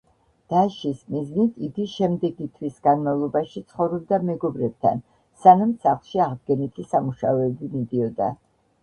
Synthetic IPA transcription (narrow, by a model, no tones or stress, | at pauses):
d̪̥aʃismiznit̪ʰiɡiʃɛmd̪ɛɡit̪ʰwisɡanmavlˠɔbaʃit̪sʰχɔvɾɛb̚d̪amɛɡɔbɾɛb̚t̪ʰa̰n | sanamsaχlˠʃiaʁd̪̚ɡɛnit̪ʰisamuʃaɛbimid̪iɔd̪a̰